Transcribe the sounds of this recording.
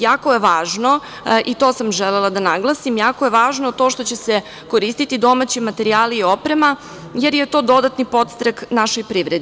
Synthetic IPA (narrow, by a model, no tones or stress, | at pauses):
jaːko̞jeʋaːʒno̞ | ʔit̪o̞ːsamʒelelˠad̪anaɡlˠasimjaːkoje̞ʋaːʒnot̪o̞ːʃt̪o̞t͡ɕe̞se | ko̞ɾiːst̪it̪id̪o̞mat͡ɕemat̪eɾiaːliio̞pɾema | jeɾjet̪o̞ːd̪o̞d̪at̪nipo̞t̪st̪ɾaknaʃojpɾiːʋɾed̪